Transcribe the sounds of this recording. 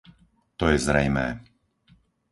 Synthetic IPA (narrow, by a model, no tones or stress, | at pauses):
t̪ɔjɛzɾɛjmɛː